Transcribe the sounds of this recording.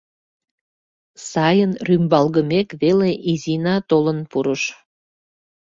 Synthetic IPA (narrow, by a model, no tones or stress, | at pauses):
sɑjənrymbɑlɣəmekβeleʔizinɑt̪olənpuɾəʃ